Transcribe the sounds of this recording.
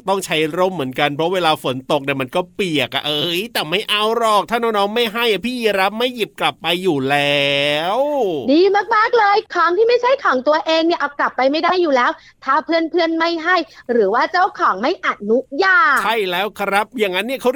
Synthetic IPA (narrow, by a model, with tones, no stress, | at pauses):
t̪ɔ˥˩ŋt͡ɕʰa˦˥jɾo˥˩mːɯ˩˦ənka˧npʰɾɔ˦˥weː˧laː˧fo˩˦nt̪o˨˩k̚na˥˩ma˧nkɔː˥˩pi˨˩ək̚a̰˨˩ʔɤː˧˦˥jt̪ɛː˨˩ma˥˩jʔa˧wɾɔː˧˩k̚t̪ʰaː˥˩naː˧˥nɔː˦˥ŋma˥˩jɦa˥˩jʔa˩pʰiː˥˩jɾa˦˥p̚ma˥˩ji˨˩p̚kla˨˩pːa˧jːuː˨˩lɛː˦˥wdiː˧maː˥˩k̚maː˥˩k̚lɤː˧jkʰɔː˨˦ŋt̪ʰiː˥˩ma˥˩jt͡ɕʰa˦˥jkʰɔː˩˦ŋt̪u˧ɐʔeː˧ŋni˥˩ɐʔa˨˩wkla˨˩pːa˧jma˥˩jdaː˥˩jːuː˨˩lɛː˦˥w | t̪ʰaː˨˩pʰɯ˥˩ənpʰɯ˥˩ənma˥˩jɦa˥˩jɾɯː˩˦waː˥˩t͡ɕa˥˩wkʰɔː˩˦ŋma˥˩jʔa˨˩t̪̚nu˦˥jaː˧˩t͡ɕʰa˥˩jlɛː˦˥wkʰɾa˦˥p̚jaː˨˩ŋːa˦˥nːi˥˩ɐkʰa˦˥w